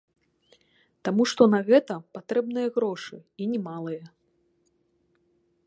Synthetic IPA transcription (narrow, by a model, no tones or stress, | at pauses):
t̪amuʂt̪ɔnɐɣɛt̪ɐpat̪ɾɛbnɨjɐɣɾɔʂɨinʲɛmalˠɨjɐ